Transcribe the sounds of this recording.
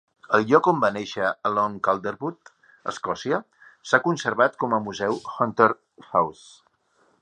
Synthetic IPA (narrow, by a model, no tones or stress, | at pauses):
əlˠʎɔkombanɛʃəəlɔŋkalˠd̪əɾβut̪ | ə̰skɔsiə | sakunsəɾβat̪kɔməmuzɛwxɔnt̪eɾ | xaws